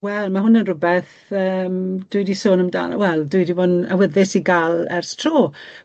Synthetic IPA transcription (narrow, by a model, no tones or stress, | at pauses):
wɛlˠmaɦʊnənrʊbɛθ | əːmd̥ʊɨdisoːnəmda̰ːlwɛlˠdʊɨdivona̰wəðɪsiɡalˠɛ̰rstʰroː